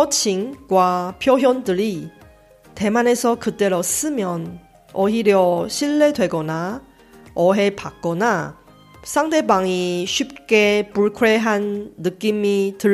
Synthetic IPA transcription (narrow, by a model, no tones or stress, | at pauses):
ʌt͡ɕʰiŋɡwapʰjoɦjʌndɯɾi | te̞mane̞sʰʌkɯt͈e̞ɾos͈ɯmjʌn | ʌɦiɾjʌɕʰiɭːe̞dwe̞ɡʌna | ʌɦe̞pak̚k͈ʌna | sʰaŋde̞baŋiɕʰɥip̚k͈e̞puɭkʰwe̞ɦanːɯk͈imitɯ